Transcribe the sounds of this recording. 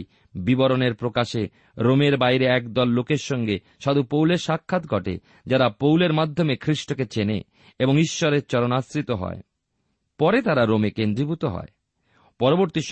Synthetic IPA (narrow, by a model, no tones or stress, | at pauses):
bibɔɾoneɾpɾokaʃe | ɾomeɾbajɾeɛkd̪ɔlːokeɾʃɔŋɡe | ʃad̪upowleɾʃakʰːat̪ɡʱɔʈḛ | d͡ʑaɾapowleɾmad̪ʱːomekʰɾiʃʈoket͡ɕenḛ | eboŋiʃːɔɾeɾt͡ɕɔɾonasɾit̪oɦɔ̰e | pɔɾet̪aɾaɾomekend̪ɾibut̪oɦɔ̰e | pɔɾoboɾt̪iʃ